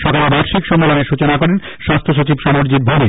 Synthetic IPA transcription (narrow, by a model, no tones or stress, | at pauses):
ʃɔkalebaɾʃikʃɔmbeloneɾʃut͡ɕonakɔɾen | ʃast̪ʰoʃ̬ot͡ɕibʃɔmoɾd͡ʑid̪̚bʱomi